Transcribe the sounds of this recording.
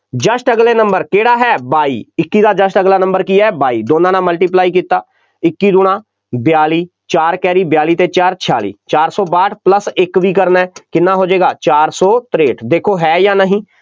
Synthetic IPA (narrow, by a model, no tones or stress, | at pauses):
d͡ʒəʃʈəɡleːnəmbəɾkeːɽaːɦɛːbaːiːɪkːiːd̪aːd͡ʒəʃʈəɡlaːnə̃mbəɾkiɛːbaːiːd̪oːnãːnãːməlʈiːp̬laːiːk̬iːt̪aː | ɪkːiːd̪ʊnãː | bɪjaːliː | t͡ʃaːɾkɛːɾiːbjaːliːt̪eːt͡ʃaːɾt͡ʃʰɪa̰ːlḭːt͡ʃaːɾsɔːbaːʈʰpləsɪkʋiːkəɾnaɛːkɪnːãːɦoːd͡ʒeːɡaːt͡ʃaːɾsɔːt̪ɾeːʈd̪eːkʰoːɦɛːjaːnəɦĩː